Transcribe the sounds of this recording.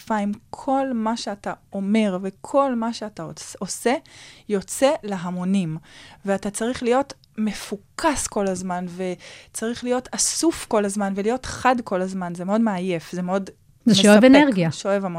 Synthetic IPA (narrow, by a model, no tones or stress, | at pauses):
faimkʰo̞lmaʃeatao̞me̞ʁve̞kʰo̞lmaʃeataoosejo̞t͡se̞leɦamo̞nimveatat͡saʁiχlijo̞t | me̞fukʰasko̞lazmanve̞t͡saʁiχlijo̞tʰasufko̞lazmanvelijo̞tχadko̞lazmanzemeodmeaje̞fzemeo̞d | zemeʃoeveneʁɡiaʃeoevamo